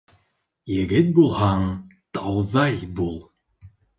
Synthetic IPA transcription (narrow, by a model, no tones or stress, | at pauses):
jɘ̆ɡɘt̪̚bulˠhɑŋt̪ɑwðɑjbulˠ